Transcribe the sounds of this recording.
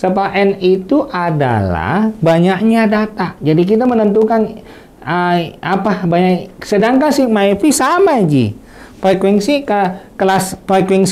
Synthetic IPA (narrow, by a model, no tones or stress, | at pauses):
səpaʔɛnit̪uʔada̰la̰hbaɲak̚ɲadat̪aʔd͡ʒadik̬it̪̬amənənt̪ukan | əapabaɲaksədaŋkansihmaifisamad͡ʒḭ | fɾekwɛnsikakəlasfɾekwɛŋs